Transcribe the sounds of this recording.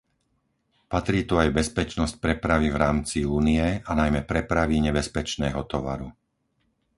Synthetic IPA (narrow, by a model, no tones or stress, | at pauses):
pat̪ɾiːt̪uajbɛspɛt͡ʃnɔsc̚pɾɛpɾaʋivɾaːmt͡siuːniɛanajmɛpɾɛpɾaʋiɲɛbɛspɛt͡ʃnɛːɦɔt̪ɔʋa̰ɾu